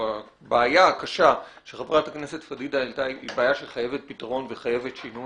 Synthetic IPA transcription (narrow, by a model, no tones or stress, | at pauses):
a | baːjakaʃa | ʃeχapʁatakne̞se̞tfadidaeltaiibaːjaʃeχaje̞ve̞t̪̚pitaʁo̞nve̞χaje̞ve̞tʃinu